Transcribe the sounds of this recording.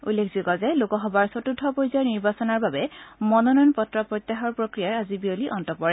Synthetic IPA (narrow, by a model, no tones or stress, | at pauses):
ulːekʰzikɔzɛlokɔxɔbaɹsotudʱːɔpojzɔniɹbasɔnaɹbabɛmɔnɔnɔnpɔtɹɔpɹot̪jaxɔɹpɹokɹijaɹazibioliʔɔntɔpɔɹɛ